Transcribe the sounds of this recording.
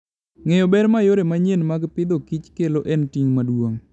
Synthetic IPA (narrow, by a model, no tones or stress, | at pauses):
ŋejɔbɛɾmajoɾemaɲenmaɡpɪd̪okit͡ʃkeloʔɛntiŋmadwoŋ